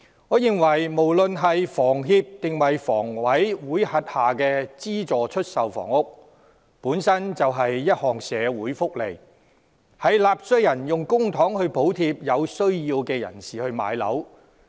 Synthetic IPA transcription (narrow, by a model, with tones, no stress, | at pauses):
ŋɔː˨˧jɪ˨ŋwɐ˨˩jmo˨˩wlɵ˨nɦɐ˨jfɔː˨˩ŋɦiː˧p̚t̪ɪ˨ŋwɐ˨jfɔ̰ː˨˩ŋwɐ˨˥jwuː˨˥jhɐ˨˧t̚haː˨˩kɛː˧t͡siː˥t͡sɔː˨t͡ʃʰɵ˥t̚sɐ˨wfɔ̰ː˨˩ŋʊ˥k̚ | puː˨˥nsɐ˥nt͡sɐ˨wɦɐ˨jːɐ˥t̚hɔː˨˩ŋsɛː˨˧wuː˨˥jfʊ˥k̚le˨˩j | hɐ˨jlaː˨p̚sɵ˧˥ɥjɐ˨˩njʊ˨ŋkʊ˥ŋt̪ʰɔː˨˥ŋhɵ˧ɥpo˨˥wt̪ʰiː˧p̚jɐ˨˧wsɵ˥ɥjiː˧wkɛː˧jɐ̰˨˩nsiː˨hɵ˧ɥma̰ː˨˧jlɐ̰˨˥w